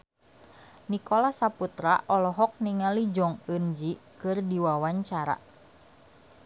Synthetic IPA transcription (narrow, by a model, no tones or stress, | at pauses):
nikɔlasaput̪ɾa̰ʔɔlɔɦɔk̚niŋalid͡ʒɔŋənd͡ʒikɨrdiwawaɲt͡ʃaɾa̰